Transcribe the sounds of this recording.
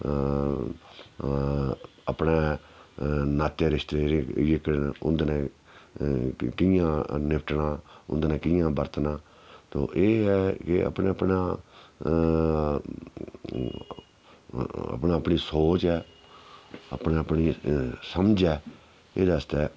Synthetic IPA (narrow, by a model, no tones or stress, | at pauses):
əpneː | naːt̪eːɾɪʃt̪eːɾɪkʊ̰nd̪nɛ̃ː | kɪjãːnɪpʰʈnãːʊ̰nd̪nɛ̃ːkɪjãːbəɾt̪naː | t̪o̰ːʔeːɦɛːkɪə̰pneːəpnãː | ə̰pnaːəpɳiːsoːt͡ʃɛː | ə̰pnẽːəpniːsəmd͡ʒɛː | eːd̪aːəst̪ɛː